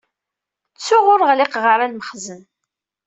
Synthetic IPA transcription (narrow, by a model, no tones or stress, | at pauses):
t͡sːʊʁʊɾʁlɪqʁəɾˤalməχzən